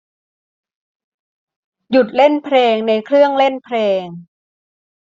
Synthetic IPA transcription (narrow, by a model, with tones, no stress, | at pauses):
ju˨˩t̪̚le˥˩npʰɾeː˧ŋna˧jkʰɾɯ˥˩əŋle˥˩npʰɾeː˧ŋ